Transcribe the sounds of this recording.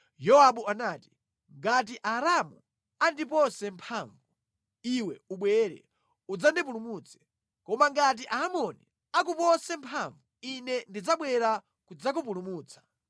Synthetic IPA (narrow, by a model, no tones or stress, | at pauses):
jɔwaɓuanaːti̥ | ŋɡat̬iʔaɾamu | andipɔsɛmpʰaːɱvu | iwɛuɓwɛɾɛ̰ | ud͡zandip̬ulumuːt͡sʰɛ̥ | kɔmaŋɡat̬iʔaːmɔni | ak̬upɔsɛmpʰaɱvuinɛndid͡zaɓwɛɾa | kud͡zak̬up̬ulumuːt͡sʰḁ